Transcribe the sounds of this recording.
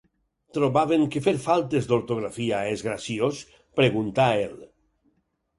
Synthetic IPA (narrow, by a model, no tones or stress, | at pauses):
t̪ɾoβaβeŋkefeɾfalˠt̪ezd̪oɾt̪oɣ̞ɾafiaezɣɾasios | pɾeɣ̞unt̪ael